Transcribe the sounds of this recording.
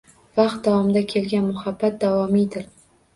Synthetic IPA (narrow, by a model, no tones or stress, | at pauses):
vɑqt̪̚d̪avɒmd̪akʲʰe̞lɡʲanmʊhabːat̪̚d̪avɒmid̪ɪɾ